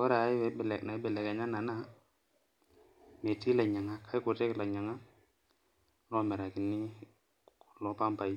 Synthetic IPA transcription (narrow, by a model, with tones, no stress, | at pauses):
kɔ˦ɾa˨˦i˦ɛ˨˦bɛ˨lna˨˦bɛ˨lɛ˨ke˨ɲa˦na˨na˦ | me˨ti˦la˨ɲa˨ŋa˦kʰa˦ku˨te˦kla˨ɲa˨ŋa˦ | nɔ˦mɛ˨ɾa˨ki˨nːi˦ | kku̥˨lɔ˨˦pa˦mpa˨i˦